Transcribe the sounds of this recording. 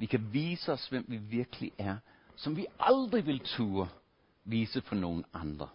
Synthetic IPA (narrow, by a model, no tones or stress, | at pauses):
ʋikʰæʋiːsəɒ̽sʋem̰ʋiʋiɐɡ̥əliʔæɐ | sɒ̽mʋiɑ̈ld̥ʁiʋɪ̝lt͡sʰuːɐ | ʋiːsəpʰɒ̽no̝ːn̩ɑ̈nd̥ʁɐ